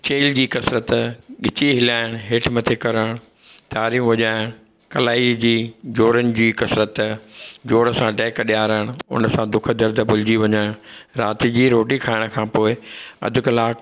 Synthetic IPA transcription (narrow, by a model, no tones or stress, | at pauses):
t͡ɕeːld͡ʑiːkɐsɾət̪ɠɪt͡ɕiɦɪlaːɪɽ̃ɦɪːʈʰmɐt̪ʰekɐɾəɽ̃ʊ | t̪aːɾiːmʋɐʄaːɪɽ̃ | kɐlaːid͡ʑiːd͡ʑoːɾənɪ̆d͡ʑiːkɐsɾət̪d͡ʑoːɽəsãɖɛːkɗijaːɾaɪɽ̃ʊ̰nəsãd̪ʊkʰə̆d̪ɐɾd̪ʱbʊlɪd͡ʑiʋɐɲaːɪɽ̃ɾaːt̪id͡ʑiːɾoːʈikʰaːɪɽ̃kʰãːpoːɪɐ̰d̪ʱʊ̆kɐlaːk